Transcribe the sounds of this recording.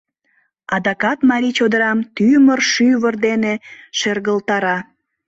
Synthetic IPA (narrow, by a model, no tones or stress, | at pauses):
ɑd̪ɑkɑt̪mɑɾʲit͡ɕod̪əɾɑmt̪ymərʃyβərd̪eneʃerɣəlt̪ɑɾɑ